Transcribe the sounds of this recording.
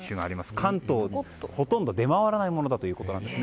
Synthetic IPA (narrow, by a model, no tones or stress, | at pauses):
ɕɨɡaːɾʲimasɨ̥kʰãnt̪o̞ː | ho̞t̪õnd̪o̞d̪e̞maβaɾanaimo̞nod̪at̪o̞jiɯ̟ːko̞t̪o̞nãnd̪e̞sɨne